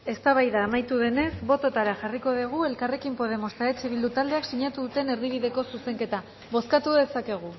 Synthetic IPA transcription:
e̞st̪aβajðaːmajt̪uðe̞ne̞sbo̞t̪o̞t̪aɾaʝariko̞ðiɣ̞ue̞lkare̞kimpo̞ðe̞mo̞st̪aet͡siβild̪ut̪ald̪e̞aksiɲat̪uðut̪e̞ne̞ɾðiβ̞iðe̞ko̞suse̞ŋke̞t̪a | βo̞skat̪uðe̞sake̞ɣ̞u

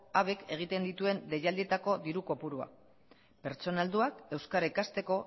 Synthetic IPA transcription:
aβe̞ke̞ɣ̞it̪e̞nd̪it̪ue̞nd̪e̞jald̪ie̞t̪ako̞d̪iɾuko̞puɾua̰ | pe̞ɾt͡so̞nald̪uake̞wskaɾekast̪e̞ko̞

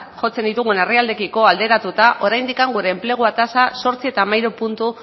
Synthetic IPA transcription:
ʝo̞t͡se̞nd̪it̪uɣ̞uneriald̪e̞kiko̞ald̪e̞ɾat̪ut̪aʔo̞ɾajnd̪ikaŋɡuɾe̞ːmple̞ɣ̞uat̪asaso̞ɾt͡sie̞t̪amajɾupunt̪u

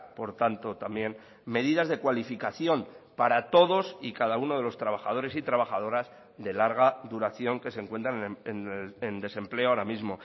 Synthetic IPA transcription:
po̞ɾt̪ant̪o̞t̪ambje̞n | me̞ðiðazðe̞kwalifikaθjo̞mpaɾat̪o̞ðo̞sikaðaunoð̞e̞lo̞st̪ɾaβ̞axaðo̞ɾe̞sit̪ɾaβaxað̞o̞ɾaz | ðe̞laɾɣ̞aðuɾaθjo̞ŋke̞se̞ŋkwe̞nt̪ɾanenend̪e̞se̞mple̞oaoɾamizmo̞

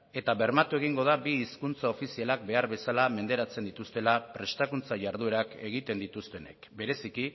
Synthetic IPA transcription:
e̞t̪aβe̞ɾmat̪ue̞ɣ̞iŋɡo̞ð̞abiːskunt͡sao̞fisialak̚be̞aɾβe̞salame̞nd̪e̞ɾat͡se̞nd̪it̪ust̪e̞lapɾe̞st̪akunt͡saʝaɾð̞ue̞ɾake̞ɣ̞it̪e̞nd̪it̪ust̪e̞ne̞̰kbe̞ɾe̞siki

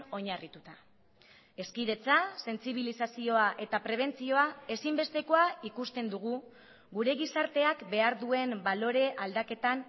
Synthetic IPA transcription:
o̞ɲarit̪ut̪a | e̞skiðe̞t͡sase̞nt͡siβ̞ilisasio̞aʔe̞t̪apɾe̞β̞e̞nt͡sio̞ae̞simbe̞st̪e̞ko̞aikust̪e̞nd̪uɣ̞u | ɣuɾe̞ɣisaɾt̪e̞akbe̞aɾðue̞mbalo̞ɾe̞ʔald̪ake̞t̪an

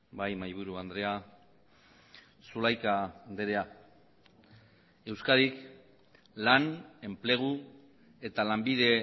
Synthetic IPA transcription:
bajmajβ̞uɾuand̪ɾe̞a | sulajkad̪eɾe̞a | e̞wskaɾik | lane̞mple̞ɣ̞u | e̞t̪alambið̞e̞

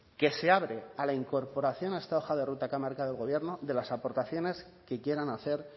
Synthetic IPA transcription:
ke̞se̞aβɾe̞alaiŋko̞ɾpo̞ɾaθjo̞naest̪ao̞xaðe̞rut̪akamaɾkaðe̞lɣo̞β̞je̞ɾno̞ðe̞lasapo̞ɾt̪aθjo̞ne̞s | ke̞kje̞ɾanaθe̞ɾ

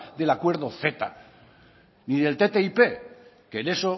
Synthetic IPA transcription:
d̪e̞lakwe̞ɾð̞oθe̞t̪a̰ | niðe̞lt̪et̪e̞ipe̞ | kene̞so

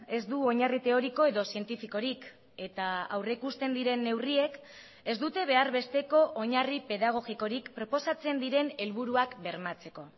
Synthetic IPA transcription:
e̞zd̪uo̞ɲarit̪e̞o̞ɾiko̞e̞ðo̞sie̞nt̪ifiko̞ɾik | e̞t̪aawrekust̪e̞nd̪iɾe̞nːe̞wrie̞k | e̞zd̪ut̪e̞β̞e̞aɾβe̞st̪e̞ko̞ʔoɲaripe̞ðaɣ̞o̞ɣiko̞ɾikpɾo̞po̞sat͡se̞nd̪iɾe̞ne̞lβuɾuakbe̞ɾmat͡se̞ko̞

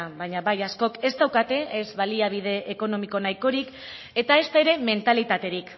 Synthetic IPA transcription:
bajɲaβajasko̞ke̞st̪awkat̪e̞ezβaliaβ̞ið̞e̞ʔːko̞no̞miko̞najko̞ɾik | e̞t̪ae̞st̪aeɾe̞me̞nt̪alit̪at̪e̞ɾik

